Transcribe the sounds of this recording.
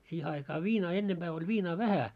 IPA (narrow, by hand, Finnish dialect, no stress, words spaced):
siːhe ɑikɑː ʋiːnɑː enːemb̥æː olʲ ʋiːnɑː ʋæhæ